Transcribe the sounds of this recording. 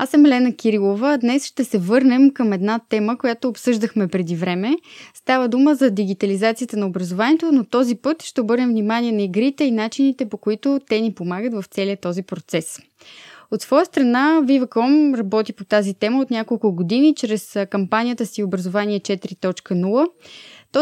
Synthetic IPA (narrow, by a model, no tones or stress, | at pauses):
asəmɛlɛnəkʲiɾilˠovəd̪nɛsʃt̪ɛsɛvɤɾnɛmkəmɛd̪nat̪ɛməkojat̪oːpsɤʒd̪əxmɛpɾɛd̪ivɾɛmɛst̪avəd̪uməzɐd̪iɡ̟it̪ɐlizat̪sijət̪ənɐobɾɐzovaniɛt̪onot̪ɔzipɤt̪ʃt̪ɛobɤɾnɛmvnimaniɛnɐiɡɾit̪ɛinat͡ʃinit̪ɛpokoit̪ʊt̪ɛnipomaɡət̪vɐft̪sɛliət̪ɔzipɾot̪sɛs | ot̪svɔjəst̪ɾɐnavivəkɔmɾɐbɔt̪ipot̪azit̪ɛməot̪nʲakolˠkʊɡod̪init͡ʃɾɛskɐmpanijət̪əsiobɾɐzovaniɛt͡ʃɛt̪ɾit̪ɔt͡ʃkənulˠət̪ɔ